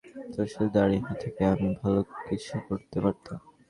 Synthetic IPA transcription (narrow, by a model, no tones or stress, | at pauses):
t̪ɾoʃeld̪aɾiɦat̪ʰekeamibʱalokit͡ɕʰukoɾt̪epaɾt̪a